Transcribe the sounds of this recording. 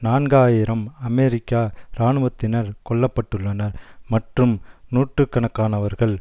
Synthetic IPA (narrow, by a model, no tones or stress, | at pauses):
naːnɡaːjɪɾɐmɐmeɾɪkːaːɾaːɳɯʋɐt̪ːɪnɐɾkɔɭːɐpːɐʈːɯɭːɐnɐɾmɐʈrɯmnuːʈrɯkːɐɳɐkːaːnɐʋɐɾɣɐɭ